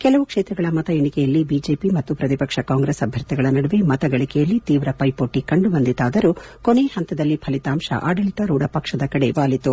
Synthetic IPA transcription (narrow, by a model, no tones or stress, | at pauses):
kɛlɐʋukʂeːt̪ɾɐɡɐɭɐmɐt̪ɐjeɳikɛjɐlːibid͡ʒe̞ːpimɐt̪ːupɾɐt̪ipɐkʂɐkaːŋɡɾesɐbʱjɐɾt̪iɡɐɭɐnɐɽɐʋemɐt̪ɐɡɐɭikɛjɐlːit̪iːʋɾɐpɐjpoːʈːikɐɳɖubɐnd̪it̪aːd̪ɐɾukoneːhɐnt̪ɐd̪ɐlːipʰɐlit̪aːmʃɐ̰ʔa̰ːɖɐliʈ̪ɐɾuːɽɐpɐkʂɐd̪ɐkɐɽe̞ʋaːlit̪u